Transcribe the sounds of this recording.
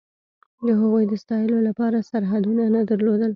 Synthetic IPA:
d̪əɦaɣujd̪əst̪ɑjəlolapɑɾasaɾɦad̪unanad̪əɾlod̪əl

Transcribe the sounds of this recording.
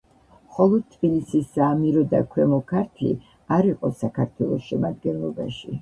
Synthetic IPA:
χɔlˠɔd̪̚t̪ʰbilisisːaːmiɾɔd̪a̰kʰwɛmɔkʰaɾt̪ʰlḭ | aɾiqʼɔsakʰaɾt̪ʰwɛlˠɔsʃɛmad̪ɡɛnlˠɔbaʃi

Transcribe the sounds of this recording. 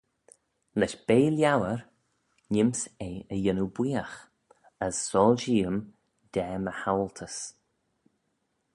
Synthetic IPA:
lɛʃb̥eːljawəɹ | ɲɪmseːəjɪnubwiːəx | əsːɔːlʃiːəm | d̪̥ɛːməhawlt̪ʰəs

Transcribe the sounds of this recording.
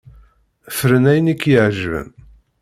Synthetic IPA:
fəɾənæjnikːjəʕʒvə̰n

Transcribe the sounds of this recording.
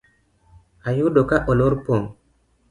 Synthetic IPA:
ajudokaʔoloɾpoŋ

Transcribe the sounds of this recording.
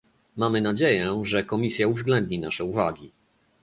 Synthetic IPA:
mamɘnad͡ʑejɛʐɛkɔmʲisʲjauvzɡlɛnd̪̚ɲinaʂɛuvaɡʲi

